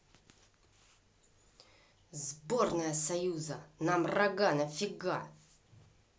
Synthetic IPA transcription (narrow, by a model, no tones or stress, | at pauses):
zbornəjəsɐjuzənamrɐɡanɐfʲɪɡa̰